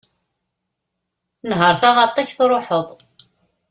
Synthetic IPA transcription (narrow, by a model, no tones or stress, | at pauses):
nɦəɾˤθæmɑt̪ˤːɑçθɾˤoħəðˤ